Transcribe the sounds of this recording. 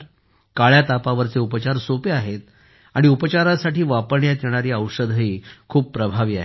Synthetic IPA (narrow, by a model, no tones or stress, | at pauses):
ɾ | kaɭjat̪apaʋəɾt͡seupət͡ɕaɾsopeaɦet̪̚ | aɽ̃iupət͡ɕaɾasaʈiːʋapəɾɳjat̪jeɽ̃aɾiːəwʂəd̪ʱəɦiːkʰuːb̚pɾəbʱaʋiːaɦe